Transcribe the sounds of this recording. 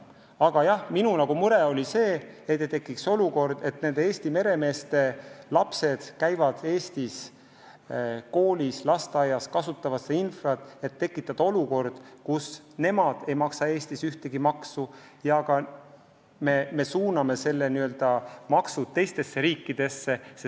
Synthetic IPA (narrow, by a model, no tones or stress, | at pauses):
ɑɡ̥ɑjɑhminunɑɡ̥umuɾe̞o̞lʲise̞ːet̪ːet̪e̞kːˑikso̞luko̞rd̪̥e̞t̪ne̞nd̪eeːsʲt̪ime̞ɾe̞me̞ːst̪e̞lɑpse̞d̪̥kæjvɑd̪̥e̞ːst̪is | ko̞ːlislɑst̪eɑjɑskɑsut̪ːˑɑvɑseinfrɑt̪ːˑe̞t̪ːe̞kːˑit̪ːˑɑd̪̥ɑo̞luko̞rd̪̥kus | ne̞mɑd̪̥e̞jmɑksɑe̞ːst̪isyht̪e̞ɡ̥imɑksu | jɑɡɑ | me̞me̞suːnɑme̞se̞lːeniø̞ld̪̥ɑmɑksut̪e̞jst̪e̞sːe̞ɾiːkːid̪̥e̞sːe̞se